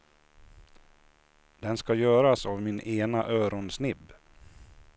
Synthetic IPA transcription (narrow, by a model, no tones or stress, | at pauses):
d̪ɛnskajœːɾasavmɪnʔeːnaʔœːɾɔnsnɪb